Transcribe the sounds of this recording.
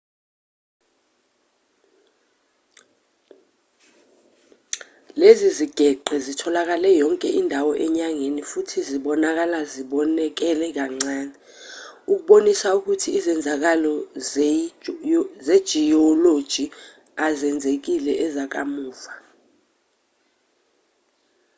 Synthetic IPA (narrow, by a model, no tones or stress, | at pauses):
leziziɡ̥ʱɛǃʱɛzitʰɔlak̬alɛjɔŋkʼɛʔindʱawɔʔɛɲaŋenifutʰiziɓɔnak̬alaziɓɔnɛk̬ɛlɛk̬aŋ͡ǀaːɲɛ | uk̬uɓonisauk̬utʰiːzɛnd͡zʱak̬alɔ | zed̥ʒ̥ʱiɔlod̥ʒ̥ʱi | azɛnd͡zʱek̬ilɛʔɛzak̬a̰muːfa